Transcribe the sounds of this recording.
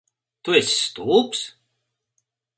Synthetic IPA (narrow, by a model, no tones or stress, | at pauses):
t̪uesʲːt̪uːps